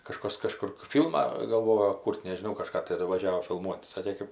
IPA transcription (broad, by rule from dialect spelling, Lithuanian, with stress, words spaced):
kɐˈʃkɐs kɐˈʃkʊr ˈfʲiːlˠmɑː ɡɐlˠˈʋoːjoː ˈkuːrʲtʲ nʲɛʒʲɪˈnɐʊ kɐˈʃkɑː tɐˈdʊ ʋɐˈʒʲæːʋoː fʲɪlˠˈmuɔtʲ ˈsɑːkʲeː ˈkɜp